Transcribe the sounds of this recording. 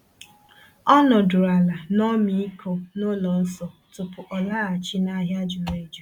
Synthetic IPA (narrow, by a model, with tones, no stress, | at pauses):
ɔ˦nɔ˨dʊ˨ɾa˨la˨nɔ˦mi˨˦i˦kʰo˨no˦lɔ˨n̩˦sɔ˨ | tʊ˨pʊ˨ʔɔ˨la˦a˨t͡ʃi˦na˦ɦja˦d͡ʒʊ˨me˦d͡ʒu˨